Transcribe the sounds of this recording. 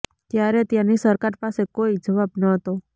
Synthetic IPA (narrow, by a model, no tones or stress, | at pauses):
t̪jaɾet̪janisəɾkaɾpasekoid͡ʒəʋabnəɦət̪o